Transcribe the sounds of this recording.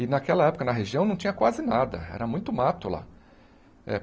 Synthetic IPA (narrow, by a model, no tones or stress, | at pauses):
ɪnakɛlɐɛpʊ̥kɐnɐɦeʒiɐ̃w̃nɐ̃w̃t͡ʃĩɲ̃ɐkwazɪnad̪ɐ̰ɛ̰ɾɐmũj̃t̪ʊmat̪ʊla̰ | ɛ̰